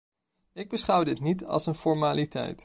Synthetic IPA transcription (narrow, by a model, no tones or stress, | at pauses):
ɪɡ̚bəsχʌwdɪtnitɑ̰lˠsənfɔɹmaːlitɛ̰jt